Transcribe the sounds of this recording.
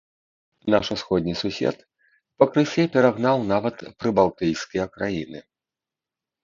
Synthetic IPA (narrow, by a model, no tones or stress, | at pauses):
naʂusxɔd̪ʲnʲisusʲɛ̰t̪ | pɐkɾɨsʲɛpʲɛɾaɣnawnavɐt̪pɾɨbalˠt̪ɨjskʲijɐkɾajinɨ̰